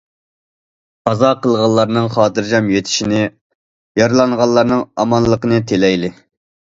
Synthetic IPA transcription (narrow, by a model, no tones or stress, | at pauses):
ɑzɑqəlˠʁɑlˠːɑɾnɨŋχɑːt̪ʰɨɾd͡ʒɑmjet̪ʰɪ̥ʃinɪ | jɑɾlˠɑɴʁɑllːˠɑɾnɨŋɑmɑnlˠəqənɨt̪ʰelɛjlɪ